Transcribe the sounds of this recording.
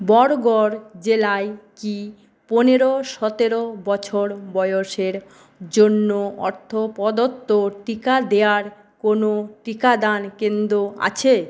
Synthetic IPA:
bɔɽɡɔɾd͡ʑelajki | poneɾoʃɔt̪eɾobɔt͡ɕʰoɾbɔjoʃeɾ | d͡ʑonːoɔ̰ɾt̪ʰopɔd̪ot̪ːoʈikad̪eaɾ | konoʈikad̪ankend̪ɾoa̰t͡ɕʰe

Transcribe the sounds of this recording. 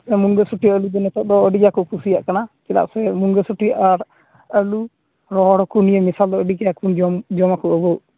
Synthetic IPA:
sɛmuŋɡəsuʈijaʔəlud͡ʒ̪ɛnɛt̪ɔd̪ɔəɖiɡakɔkʰusija̰ʔkanat͡ʃɛla̰ʔsɛmuŋɡəsuʈijaʔaɾ | əlu | ɾɔɦɽɔkunijəmisald̪ɔəɖiɡaakund͡ʒɔmd͡ʒɔmakuəbɔʔ

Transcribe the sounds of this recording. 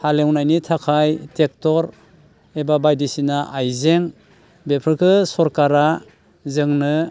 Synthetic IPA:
halewnajnitʰakʰajtek̚tɔɾ | ebabajdisinaʔajzeŋ | bepʰɯɾkʰɯsɔɾkaɾa | zɯŋnɯ

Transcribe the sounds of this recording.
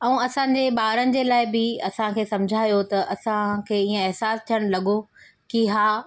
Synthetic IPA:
ɐ̃ũɐsãːɲd͡ʑeɓaːɾənɪ̆d͡ʑeːlaːɪbɪɐsãkʰeːsɐ̃md͡ʑʱaːjot̪ɐʔɐsãkʰeːiə̃ɛɦsaːst̪ʰijəɽ̃lɐɠo | kiɦaː

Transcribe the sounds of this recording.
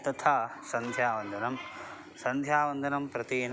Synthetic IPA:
t̪ɐt̪ʰaːsɐnd̪ʱjaːʋɐnd̪ʱɐnɐm | sɐnd̪ʱjaːʋɐnd̪ʱɐnɐmpɾɐt̪iːn

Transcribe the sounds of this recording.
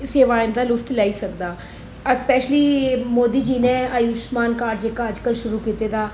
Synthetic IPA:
seːʋaːɪnd̪aːlʊfʰt̪lɛːiːsəkd̪aː | əspɛːʃliːmoːd̪iːd͡ʒiːnẽːaːjuʃmaːnkaːɾd͡ʒeːkaːəd͡ʒkəlʃʊɾuːkiːt̪eːd̪aː

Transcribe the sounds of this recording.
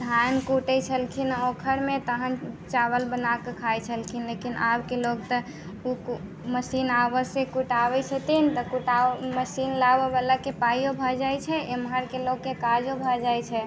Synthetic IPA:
d̪ʱankuʈət͡ʃʰəlkʰinokʰəɾmẽt̪əɦənt͡ʃaβəlbənakəkʰajt͡ʃʰəlkʰinlekinabkeloɡ̚t̪ə | uk | məsinabəsẽkuʈabɛt͡ʃʰət̪int̪əkuʈaməsinlabebalakepajjobʱɔd͡ʒajt͡ʃʰɛemɦaɾkeloɡːekad͡ʒobʱɔd͡ʒajt͡ʃʰɛ

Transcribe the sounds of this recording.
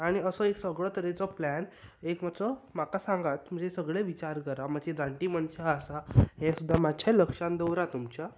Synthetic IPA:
aɽ̃iəsɔeksəɡɭɔt̪əɾet͡sɔplænekm̤at͡sɔm̤akasãŋɡat̪m̤əd͡ʑesəɡɭeʋit͡ɕaɾkəɾamad͡ʑeɾãɳʈiməɳɕaːsaɦɛ̃sud̪ʱːamat͡ɕʰaləkʂãnd̪əwɾat̪umt͡ɕa

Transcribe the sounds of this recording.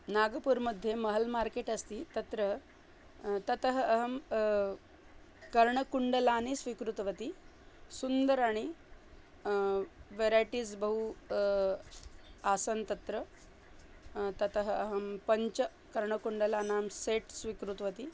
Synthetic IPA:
naɡəpuːɾməd̪ʱjeməɦəlmaɾkeʈɐst̪iːt̪ɐt̪ɾə | t̪ɐt̪əɦəɐɦəm | kɐɾɳəkuɳɖəlanisʋikɾut̪ʋɐt̪isund̪əɾaɽ̃i | ʋeɾajʈiːd͡zbəɦu | asənt̪ɐt̪ɾə | t̪ɐt̪əɦəɦəmpəɲt͡ɕə | kɐɾɳəkuɳɖəlanaːmseʈsʋikɾut̪ʋət̪i

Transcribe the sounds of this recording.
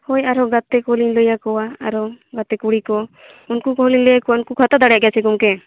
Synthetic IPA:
hojaɾɔɡat̪ɛkɔlinləjakɔwaːɾɔɡat̪ɛkuɽikɔ | unkukɔɦlinləjakɔwaunkukʰat̪ad̪aɽjaʔɡjat͡ʃʰikumkɛ

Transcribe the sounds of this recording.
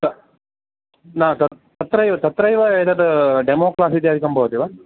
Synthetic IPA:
ɐ | naːt̪ɐt̪ɐt̪ːɾɐjʋɐt̪ɐt̪ɾɐiʋɐed̪ɐd̪ɐɖemoːklaːsid̪jaːd̪ʱikɐmbɐʋut̪iʋa

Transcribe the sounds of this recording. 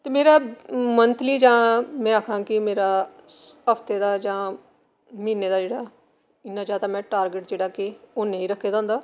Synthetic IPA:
t̪eːmeːɾaːmənt̪liːd͡ʒãːmɛ̃ːaːkʰãːkɪmeːɾaː | əft̪eːd̪aːd͡ʒãː | miːneːd̪aːd͡ʒeːɽaː | ɪnãːd͡ʒaːt̪aːmɛ̃ːʈaːɾɡɪʈd͡ʒeːɽaːkeoːnẽːĩːɾəkʰːeːd̪ãːʊ̃nd̪aː

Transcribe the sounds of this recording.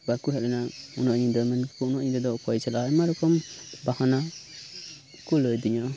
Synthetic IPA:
balkuɦɛʔlɛnaunɔʔɲid̪ɔmɛnkɔunɔʔɲid̪ɔd̪ɔkɔjt͡ʃɛlaɛmaɾɔkɔmbahɔna | kulɔjd̪iɲɔ

